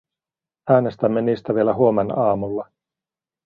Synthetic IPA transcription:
æːne̞st̪æmːeniːst̪æʋielæɦuo̞menɑːmulːɑ

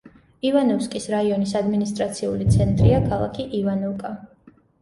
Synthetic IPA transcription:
ivanuskʼisɾaiɔnisad̪minist̪ʼɾat̪sʰiulit̪sʰɛnt̪ʼɾiakʰalˠa̰kʰiʔivanukʼa

